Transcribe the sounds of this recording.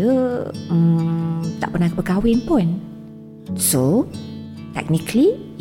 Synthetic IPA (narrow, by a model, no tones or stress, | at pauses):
əəmt̪aʔpənahkəpəkawɪnpʊn | so | t̪ɛ̰k̚nikli